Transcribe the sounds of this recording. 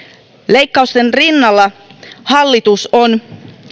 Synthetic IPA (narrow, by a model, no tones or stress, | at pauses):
lejkːɑust̪enrinːɑlːɑhɑlːit̪uson